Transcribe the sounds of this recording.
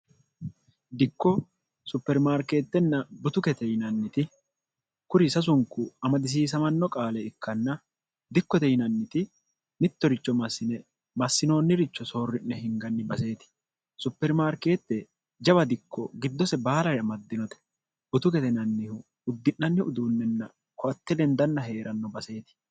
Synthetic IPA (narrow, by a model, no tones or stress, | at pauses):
d̪ɪkːɔ | sʊpːɛɾmaːɾke̞ːt̪ːɛnːɐbʊt̪ʊkɛt̪ɛjnɐnːɪt̪ɪ | kʊɾɪsɐs̬ʊŋkːʊɐmɐd̪ɪs̬iːs̬ɐmɐnːɔkʼaːlɛɪkʰːɐnːɐ | d̪ɪkːɔt̪ɛjɪnɐnːɪt̪ɪ | mɪt̪ːɔɾɪt͡ʃːɔmɐsːɪnɛ | mɐsːɪno̞ːnːɪɾɪt͡ʃːɔso̞ːrːɪnːɛhɪŋɡɐnːɪbɐse̞ːt̪ɪ̥ | sʊpːɛɾmaːɾke̞ːt̪ːɛ | d͡ʒɐβɐd̪ɪkːɔɡɪd̪ːɔsɛbaːlɐɾɛɐmɐd̪ːɪnɔt̪ɛ̥ | bʊt̪ʊkɛt̪ɛnɐnːɪhʊ | ʊd̪ːɪnːɐnːɪʊd̪uːnːɛnːɐ̰ | kɔʔɐt̪ːɛlɛnd̪ɐnːɐɦe̞ːɾɐnːɔbɐse̞ːt̪ɪ̥